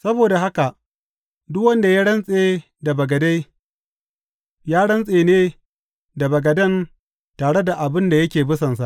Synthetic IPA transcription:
sɐ˦boː˨da˨ɦa˦ka˨ʔ | dʊ˦kwɐ˦nda˨ja˦ɽɐ˦nsʼeː˦ | da˨bɐ˨ɡɐ˨da˦j | jaː˦ɽɐ˦nsʼeː˨neː˦ | da˨bɐ˨ɡɐ˨dɐ˦n | taː˨ɽe˦da˨ʔa˨bɪ˦nda˨jɐ˦kʲeː˨bʊ˦sɐ˨nsa˦ʔ

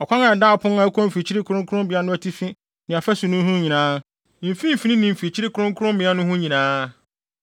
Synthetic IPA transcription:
ɔ˨kʷʰã˦ŋã˨da˦˨pʰʊ̃˦n˦ã˦kʰɔ̃˦m̩˨fi˨t͡ɕʰi˦ɾɪ˦kʰʊ˦ɾʊ̃˦kʊ˦ʊ̃˦mbɪ˨a˦nʊ̃˦æ˨tʰi˦fĩ˦ | nɪ̃˨a˨fæ˦sʊ˨nʊ̃˦ɦʊ̃˦ɲĩ˨nãː˦˨ | fĩ˦m̩˨fi˨nĩ˦nĩ˨m̩˨fi˨t͡ɕʰi˦ɾɪ˦kʰʊ˨ɾʊ̃˦ŋ˦kʰʊ˦ɾʊ̃˦mbɪ̃˨a˦nʊ̃˦hʊ̃˦ɲĩ˨nãː˦

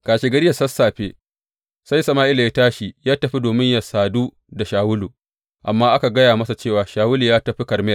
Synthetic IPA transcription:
kaː˨ʃe˦ɡɐ˦ɽɪ˦jɐ˨sɐ˦sːaː˨ɸeː˦ | sa˦jsɐ˨maː˦ʔɪ˦la˨ja˦taː˦ʃi˨jaː˦tɐ˨ɸi˦doː˨mɪ˦ɲjɐ˨saː˨duː˦ | da˨ʃaː˨wʊ˦luː˨ | ʔa˨mːaː˦ʔa˦ka˨ɡɐ˦jaː˨mɐ˦sa˨t͡ʃeː˦˨waː˨ʃaː˨wʊ˦li˨jaː˦tɐ˨ɸi˦kɐ˨rmɛ˦ja˨

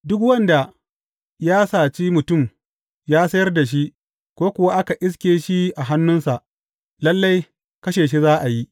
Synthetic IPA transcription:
dʊ˦kwɐ˦nda˨ | jaː˦saː˨t͡ʃi˦mʊ˨tʊ˦˨m | jaː˦sɐ˦jɐ˦rda˨ʃ̬i˦ʔ | kʷoː˦kʷʊ˨wa˦ʔa˦ka˨ʔɪ˦s̬kʲeː˨ʃi˦ʔa˨ɦa˦nːʊ˦nsa˨ʔ | lɐ˦lːa˦j | kɐ˦ʃeː˨ʃi˦zaː˦ʔa˨ji˦ʔ

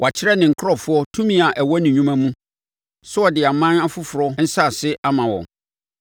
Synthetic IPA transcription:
wʔa˨t͡ɕʰɪ˦ɾɛ˦nɪ̃˨ŋ̩˨kʰɾɔ˦˨fʊ˦ɔ˦tʰũ˦mĩ˦a˨ʔɛ˨wɔ˦nĩ˨ɲũ˦mã˦mũ˦ | sʊ˦ɔ˨dɪ˨a˨mã˦a˦fʊ˦fʊ˨ɾɔ˦n̩˦sa˦˨sɪ˦ʔa˦mã˨wɔ̰̃˨

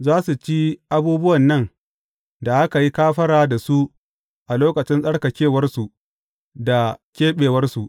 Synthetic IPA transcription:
zaː˦su˨t͡ʃi˦ʔa˦buː˦bʊ˦wɐ˨nːɐ˦˨ŋ | da˨ʔa˦ka˨ji˦kaː˦ɸɐ˦ɽaː˦da˨su˦ | ʔa˨loː˦kɐ˨t͡ʃɪ˦nsʼɐ˦ɽkɐ˨kʲeː˦˨wɐ˦rsu˨ | da˨kʲeː˦ɓeː˨wɐ˦rsu˨ʔ

